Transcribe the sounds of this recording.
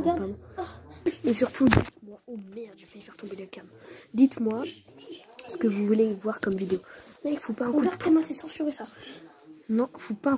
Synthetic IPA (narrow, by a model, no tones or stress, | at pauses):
ɡapaʁd̪ɔ̃ | esyʁt̪ʰud̪it̪mwaomɛʁd̪ʒafɛifɛʁt̪ɔ̃bed̪ləkamd̪it̪mwa | sə̥kəvuvulevwaʁkɔmvid̪eomɛikfopaɛ̃kut̪ɛmɛ̃sɛsɑ̃syʁesa | nɔ̃fopaɛ̃